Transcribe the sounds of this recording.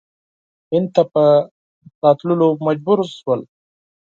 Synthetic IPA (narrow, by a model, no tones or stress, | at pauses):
hɪnd̪̚t̪apə | sɑt̪lulomad͡ʒbuɾʃwəl